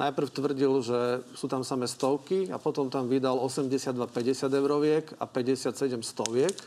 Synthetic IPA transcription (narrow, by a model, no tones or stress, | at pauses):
nʔa̰jpr̩ʊt̪ʋr̩ɟilʒɛsuːt̪amsamɛst̪ɔʊkia̰pɔt̪ɔmt̪amʋid̪alɔsɛmɟɛsɪad̪ʋapɛɟɛsɪad̪ɛʊɾɔʋɪɛka̰pɛɟɛsat̪sɛɟɛmst̪ɔʋɪɛk